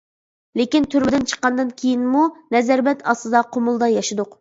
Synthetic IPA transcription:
lekʲint̪ʰyɾmɪd̪ɪnt͡ʃʰə̥qːɑnd̪ɨnkʲʰejinmunɛzɛɾbɛt̪ʰɑsɨd̪ɑqʰomʊlˠd̪ɑjɑʃɨd̪ʊq

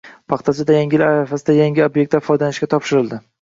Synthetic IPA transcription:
pʰɑχt̪ʰasɪd̪ajaŋʲɪlaɾafasɪd̪ajaŋʲɪobjek̚t̪ːafɒjd̪anɪʃkʲat̪ʰɒpʃɪɾɪld̪ɪ

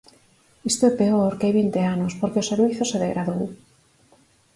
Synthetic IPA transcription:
ist̪oepeoɾkeajβint̪eanospoɾkeoseɾβiθoseðeɣɾaðow

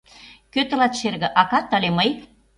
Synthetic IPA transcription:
køt̪ə̆lɑt̪ʃerɣɘ̆ʔɑkɑt̪ːɑleməj

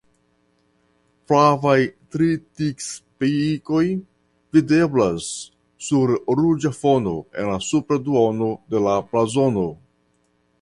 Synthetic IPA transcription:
plavajtɾitikspiko̞j | vide̞blasː | uɾɾud͡ʒafo̞no̞e̞̰nlasupɾaduono̞de̞laplazo̞no̞

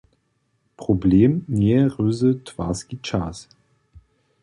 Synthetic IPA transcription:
pʁ̥obleːmnɛʁøːzətʰv̥a̰ːskit͡ʃaːs

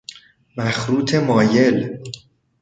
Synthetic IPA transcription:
mæxɾuːt̪ʰe̞mɒːje̞l

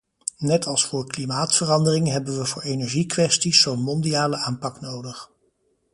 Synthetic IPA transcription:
nɛtɑlˠsfʊːɹklimaːtfərɑndərɪŋɦɛbənʋəvʊːɹejnɛɹʒikʋɛstisːownmɔndiaːləaːmpɑknowdəχ

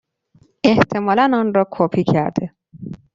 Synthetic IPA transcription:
eht̪ʰe̞mɒːlænɒːnɾɒːkʰoːpʰicʰæɾd̪̥e

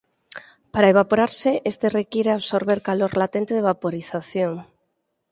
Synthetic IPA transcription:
paɾaeβ̞apoɾaɾsɪʔest̪erekiɾeaβsoɾβeɾkaloɾlat̪ent̪eðeβapoɾiθaθjoŋ

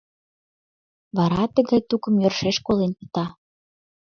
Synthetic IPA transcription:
βɑɾɑt̪əɣɑjt̪ukə̆mjørʃeʃkolenpə̥̆t̪ɑ

